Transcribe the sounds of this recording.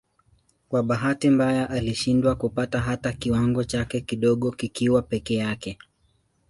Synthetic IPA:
kwaɓaɦatimbajaʔaliʃindwakupataɦatakiwaŋɡɔt͡ʃakɛkiɗɔɠɔkikiwapɛkɛjakɛ

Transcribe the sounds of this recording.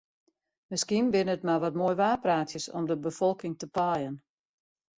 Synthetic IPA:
mɪskinbɪnəətmaʋɔtmoːjʋaːpraːtjəsɔ̰mdəbəfɔlˠkɪŋtəpajən

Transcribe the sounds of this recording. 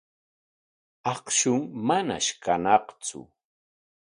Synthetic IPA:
ɑqʃʊŋmana̰ʃkanɑqt͡sʊ̰

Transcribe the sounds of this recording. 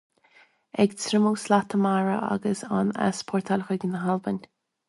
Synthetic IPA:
ɛɡt͡sʰɾɪmuːslat̪ʰəmaɹə̰ʔa̰ɡəsana̰spʰɔɹt̪ʰalxəɡnəɦalbənʲ

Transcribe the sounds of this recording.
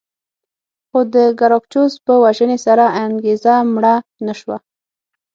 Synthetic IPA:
xod̪əɡaɾokt͡ʃozpəwaʒənesaɾaaŋɡezamɽanaʃwa

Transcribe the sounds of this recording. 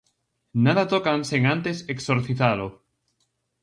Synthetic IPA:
naðat̪okanseŋãnt̪eseksoɾθiθalo

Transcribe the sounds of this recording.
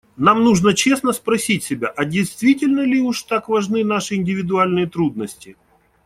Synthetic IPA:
namnuʐnət͡ɕe̞snəspɾɐsʲitʲsʲɪbʲa̰ʔɐdʲɪjst̪vʲitʲɪlʲnəlʲɪuʂt̪akvɐʐnɨn̪aʂɨɪnʲdʲɪvʲɪd̪ʊalʲnɨjət̪ɾud̪̚nəsʲtʲɪ

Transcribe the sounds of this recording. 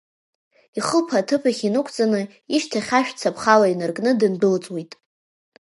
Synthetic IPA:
iχəlpʰatʰɨpʰaχʲinɨkʷʰt͡sʼanɨ | iʃtʰaχʲaʃᶣt͡sʰapʰχalainɨrkʼnɨdɨnbɨlt͡sʼwitʼ

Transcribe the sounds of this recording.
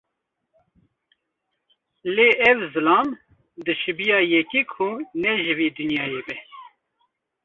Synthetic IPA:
leʔɛvzɨlɑːm | d̪ɨʃɨbijɑːjɛkikʰunɛʒɨviːd̪unjɑːjeːbɛ

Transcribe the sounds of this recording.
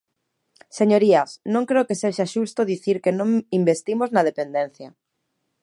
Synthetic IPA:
seɲoɾiasnõŋkɾeokeseʃaʃust̪oðiθiɾkenõŋimbest̪imoznað̞epend̪ẽn̟θja

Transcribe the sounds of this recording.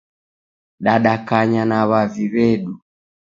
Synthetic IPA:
ɗaɗakaɲanaβaviβɛɗu

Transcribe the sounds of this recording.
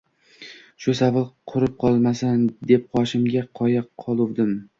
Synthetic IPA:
ʃʊsavɪlqʰʊɾɪp̚qʰɒlˠmasand̪e̞p̚qʰɒʃɪmɡʲaqʰɒjaqʰɒlˠʊwd̪ɪm

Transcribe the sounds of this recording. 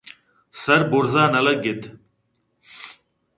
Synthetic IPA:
sɐɾbuɾzaːnɐlɐk̚ɡɪt̪

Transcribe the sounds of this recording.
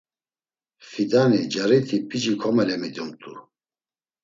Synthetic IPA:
fid̪anid͡ʒaɾit̪ʰipʰid͡ʒikʰɔmɛlɛmid̪umt̪ʼṵ

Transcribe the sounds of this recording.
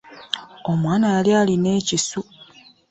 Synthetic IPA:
o̞mwaːnajaljaːline̞ːcisu

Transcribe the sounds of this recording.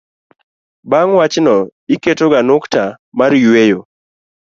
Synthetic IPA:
baŋwat͡ʃnɔiketoɡanʊkta | maɾjwejo

